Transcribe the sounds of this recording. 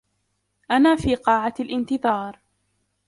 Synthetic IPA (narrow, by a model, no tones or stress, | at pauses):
ʔanaːfiːqɑːʕalʔɪnt̪ɨðˤɑːɾˤ